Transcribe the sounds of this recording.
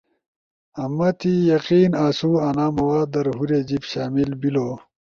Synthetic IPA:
ɐmːɐt̪ijɐqiːnaːsuanaːmɐwaːd̪ɐɾɦuɾed͡ʑipɕaːmilbilo

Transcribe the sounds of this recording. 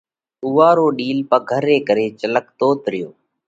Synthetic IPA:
uːaːɾoːɗiːlpəɡʱəɾeːkəɾeːt͡ʃələk̚t̪oːt̪ɾɪjoː

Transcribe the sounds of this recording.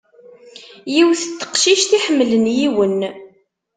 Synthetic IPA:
jiwθət̪ːə̥qʃiʃθiħəmːlənjiwən

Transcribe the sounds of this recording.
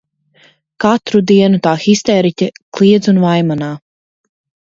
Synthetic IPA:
kat̪ɾud̪iɛnut̪aːxist̪ɛːɾic̪ʲaklˠiɛd̪zunvajmanaː

